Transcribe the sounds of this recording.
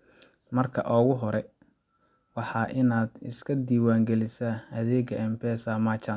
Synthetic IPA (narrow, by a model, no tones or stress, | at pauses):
mɐrkʰɐ̰ʔɔːɣʊɦɔɾɛ | wɑħɑːʔɪnaːd̪ɪ̰skʰɐd̪iːwaːŋɡɛlɪsaːɐðɛːɡɐɛmbʰɛːsaːmaːt͡ʃʰaːn